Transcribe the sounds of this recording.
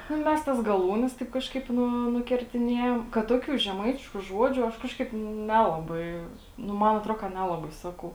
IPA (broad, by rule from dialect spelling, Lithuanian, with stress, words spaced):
ˈnʊ ˈmʲɛs ˈtɐs ɡɐˈlˠuːnʲɛs ˈtɐɪp kɐʃˈkɐɪp ˈnʊ nʊkʲɛrʲtʲɪˈnʲeːjɛm kɐt ˈtoːkʲuː ʒʲɛˈmɐɪtʲɪʃkʊ ˈʒuɔd͡ʒʲʊ ˈɐʃ ˈkɑːʃˌkɐɪp ˈnʲæːlˠɐbɐɪ ˈnʊ ˈmɐn ɐtˈroː kɐ ˈnʲæːlˠɐbɐɪ ˈsɑːkɐʊ